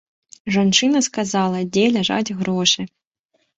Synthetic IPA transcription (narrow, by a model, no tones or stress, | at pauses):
ʐɐnt͡ʂɨnɐskazɑlˠɐdʲelʲaʐa̰tʲɣɾɔʂɨ